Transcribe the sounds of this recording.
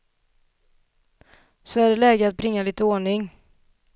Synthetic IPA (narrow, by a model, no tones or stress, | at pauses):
sɔæɖɛlɛːɡət̪at̪̚bɾɪŋːaliːt̪əoːɳɪŋ